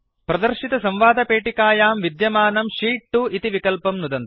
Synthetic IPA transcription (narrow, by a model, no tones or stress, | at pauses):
pɾɐd̪ɐɾʃit̪ɐsɐmʋaːd̪ʱɐpeːʈikaːjaːmʋid̪jɐmaːnɐmʂiːʈːuit̪iʋikɐlpɐmnud̪ɐnt̪ɐ̥